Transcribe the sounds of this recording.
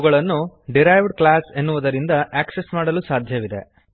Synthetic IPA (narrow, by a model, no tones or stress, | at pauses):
ɡɐɭɐnːuɖiɾɐjʋɖklaːse̞nːuʋɐd̪ɐɾind̪ɐʔaːkse̞smaːɽɐlusaːd̪ʱjɐʋid̪e̞̰